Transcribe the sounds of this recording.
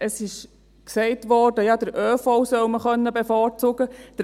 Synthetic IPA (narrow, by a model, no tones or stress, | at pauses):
əsɪʃ | ksɛɪtʋɔːrdəjɑd̥əɾøːfɔwsœwməχœnːəbɛfɑːɾt͡soɡəd̥əɾ